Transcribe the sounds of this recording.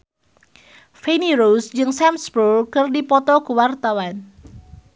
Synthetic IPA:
feniɾosd͡ʒɨŋsɛmsbulkɨrdipɔt̪ɔkuwart̪awan

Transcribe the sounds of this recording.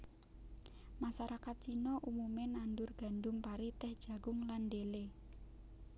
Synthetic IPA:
masaɾakat̪̚t͡ʃinɔʔumumenandʊrɡ̥a̤ndʊmpaɾit̪ɛhd̥ʒ̥ä̤ɡʊŋlandele

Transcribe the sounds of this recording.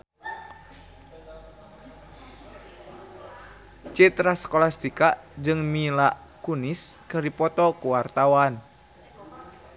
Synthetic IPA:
t͡ʃit̪ɾaskɔlast̪ikaʔd͡ʒɨŋmilaʔ | kuniskɨrdipɔt̪ɔkuwart̪awan

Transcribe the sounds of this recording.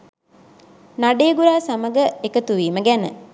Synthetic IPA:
naɖeːɡuɾaːsaməɡəekət̪uʋiːməɡænə̰

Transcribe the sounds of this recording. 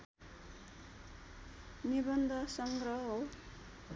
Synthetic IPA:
nibʌnd̪ʱʌsʌŋɡrʌɦɦow

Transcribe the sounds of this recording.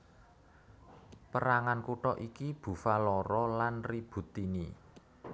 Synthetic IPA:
pəɾaŋankuʈɔʔikib̥ṳfalɔɾɔlanrib̥ṳt̪inḭ

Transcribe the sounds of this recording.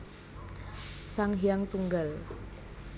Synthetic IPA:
saŋɦiaŋt̪uŋɡal

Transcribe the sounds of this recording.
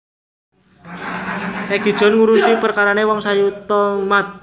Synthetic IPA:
ɛɡ̥i̤d̥ʒ̥ɔ̤nŋuɾusipərkaɾanewɔŋsajut̪ɔmat̪̚

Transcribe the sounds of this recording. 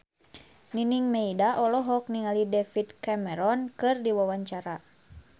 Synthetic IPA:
niniŋmeidaʔɔlɔɦɔk̚niŋalidɛfit̪̚kamɛɾɔnkɨrdiwawaɲt͡ʃaɾa

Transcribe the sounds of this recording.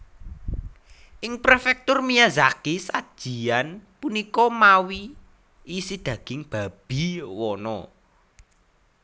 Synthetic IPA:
ʔɪŋpɾefɛk̚t̪ʊrmijazakisad̥ʒ̥i̤anpunikɔmawiː | sid̪̥ä̤ɡ̥ɪŋb̥a̤b̥i̤wɔnɔ

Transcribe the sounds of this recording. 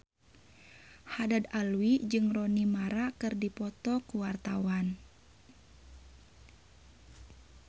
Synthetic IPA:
hadadalwid͡ʒɨŋrɔnimaɾakɨrdipɔt̪ɔkuwart̪awan

